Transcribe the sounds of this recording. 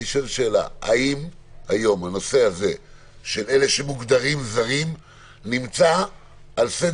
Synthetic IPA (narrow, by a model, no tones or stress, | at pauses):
iʃelʃe̞ːla̰a̰imhajo̞mano̞se̞haze̞ | ʃe̞le̞le̞ʃemuɡd̪aʁimzaʁim | nimt͡saː | lse